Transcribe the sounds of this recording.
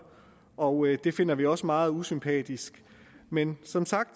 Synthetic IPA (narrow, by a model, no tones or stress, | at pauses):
ɒ̽ʊd̥e̝fe̝n̰ɐʋiɒ̽səmɑ̈ːð̞̩ˠusympʰɛ̰ːd̥isɡ̥ | mensɒ̽msɑ̈ɡ̥̚d̥